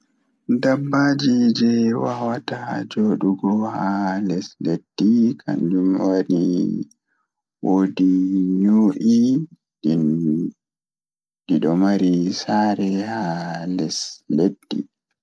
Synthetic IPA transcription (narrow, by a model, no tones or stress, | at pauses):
dabːaːd͡ʒid͡ʒɛwa̰watad͡ʒoːɗuɡɔhalɛsled̥ːikʰa̰nd͡ʒumwaɾi | woːdiɲoːʔi | ɗiɗɔmaɾisaːɾɛhalɛsledːḭ